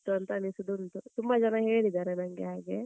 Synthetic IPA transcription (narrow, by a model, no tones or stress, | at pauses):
t̪uɐnt̪ɐnisud̪unt̪ut̪umbɐd͡ʒɐnɐɦeːɽid̪aːɾenɐŋɡeɦaːɡe